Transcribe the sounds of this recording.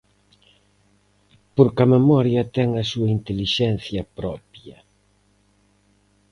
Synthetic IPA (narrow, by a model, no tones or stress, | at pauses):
poɾkɐmemɔɾjɐt̪ɛŋɐsuɐint̪eliʃɛn̟θjɐpɾɔpjɐ